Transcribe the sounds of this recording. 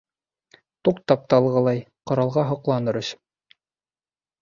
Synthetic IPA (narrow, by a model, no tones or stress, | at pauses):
t̪uq̚t̪ɑp̚t̪ɑlˠʁɤ̆lˠɑjqŏɾɑlˠʁɑɦŏqlˠɑnɤɾɵ̆ɕ